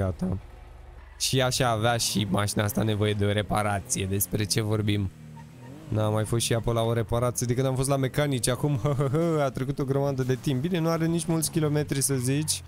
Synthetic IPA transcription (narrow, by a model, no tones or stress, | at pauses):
at̪a | ʃiaʃaːveaʃimaʃinaast̪ane̞vo̞je̞d̪e̞o̞ɾe̞paɾat̪sije̞d̪e̞spɾe̞t͡ʃe̞vo̞rbim | namːajfost̪ʃiapojlaoɾe̞paɾat̪sd̪ikɨnamfo̞st̪lamekanit͡ʃeakumhəɦəɦəat̪ɾekut̪o̞ɡɾomad̪əd̪e̞t̪imp̚bine̞nuaɾenit͡ʃmult̪sʲkʲilo̞me̞t̪ɾisəzit͡ʃʲ